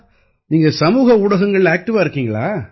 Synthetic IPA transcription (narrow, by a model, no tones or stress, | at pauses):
niːŋɡɐsɐmuːɣɐʊɽɐɣɐŋɡɐɭaːk̚ʈɪʋaːɪɾɯkːiːŋɡɐɭaː